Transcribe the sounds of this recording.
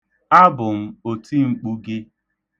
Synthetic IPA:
a˦bʊ˨m̩˦o˨ti˦ŋ͡m̩˨k͡pu˦ɡɪ˦

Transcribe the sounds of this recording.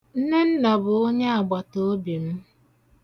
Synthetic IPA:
n̩˦ne˦n̩˦na˨bʊ˨o˦ɲe˦a˨ɡ͡ba˨to˦o˦bi˨m̩˦

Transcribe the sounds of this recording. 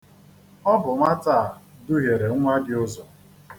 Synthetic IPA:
ɔ˦bʊ˨ŋʷa˦taː˦˨dʊ˦ɦe˨ɾe˨˦ŋʷa˦dɪ˨ʊ˦zɔ˨

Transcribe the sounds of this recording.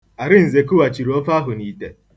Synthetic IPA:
a˨ɾɪ˦n̩˨ze˨kʊ˦wa˨t͡ʃi˨ɾɔ˦fa˦ɦʊ˨niː˨tḛ˨

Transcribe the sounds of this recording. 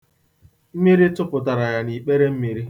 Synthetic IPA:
m̩˦mi˦ɾi˦tʊ˦pʊ˨ta˨ɾa˨ja˨ni˨k͡pe˦ɾe˦m̩˦mi˨ɾi˦

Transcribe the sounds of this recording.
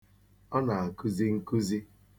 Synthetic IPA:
ɔ˦na˨a˨ku˦zi˦ŋ̩˦ku˦zi˦

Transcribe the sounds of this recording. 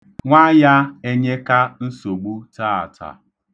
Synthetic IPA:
ŋʷa˦ja˦e˦ɲe˦ka˦n̩˦so˨ɡ͡bu˦ta˦a̰˨ta̰˨

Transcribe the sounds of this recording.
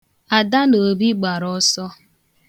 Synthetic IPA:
a˨da˦no˨bi˦ɡ͡ba˨ɾɔ˦sɔ˦

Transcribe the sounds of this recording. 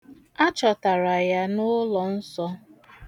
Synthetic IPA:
a˦t͡ʃɔ˨ta˨ɾa˨ja˦nʊ˦lɔ˨n̩˦sɔ˦

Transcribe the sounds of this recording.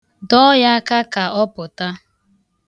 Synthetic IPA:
dɔ˦ja˦ka˦ka˨ɔ˦pʊ˨ta˦

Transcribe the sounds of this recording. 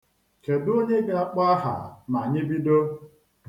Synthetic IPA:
ke˨do˦ɲe˦ɡe˦a˦k͡pa˦a˦ɦa̰˨ma˨ɲɪ˦bi˦do˦

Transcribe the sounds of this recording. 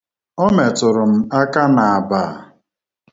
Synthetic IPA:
ɔ˦me˨tʊ˨ɾʊ˨m̩˨a˦ka˦na˨a˨ba˨

